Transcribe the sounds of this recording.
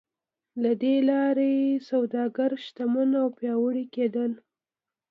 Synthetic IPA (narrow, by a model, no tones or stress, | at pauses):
lad̪elɑɾejesawd̪ɑɡaɾʃt̪amanawpjɑwəɽiked̪əl